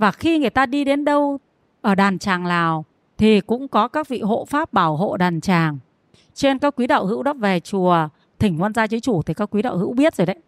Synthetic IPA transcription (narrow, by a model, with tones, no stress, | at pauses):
vaː˨˩xi˧ŋɨ˨˩əjt̪aː˧ɗi˧ɗe˨˦nɗə˧w | ʔəː˧˩ɗaː˨˩nt͡ɕaː˨˩ŋlaː˨˩w | t̪ʰi˨˩kʊ̰˧˥ŋ͡mkɔ˨˦kaː˦˥k̚vḭ˧˨ɦo̰˧˨faː˦˥p̚ɓaː˧˩wɦo̰˧˨ɗaː˨˩nt͡ɕaː˨˩ŋ | t͡ɕe˧nkaː˦˥kwi˨˦ɗə̰ː˧˨whɨ̰˧˥wɗɔ˨˦ve˨˩t͡ɕu˨˩ə | t̪ʰï˨˧˩ŋ̟ŋwaː˧nzaː˧t͡ɕə˨˦jt͡ɕu˧˩t̪ʰi˨˩kaː˦˥kwi˨˦ɗə̰ː˧˨whɨ̰˧˥wɓi˦˥ət̚zoː˨˩jɗə˨˦j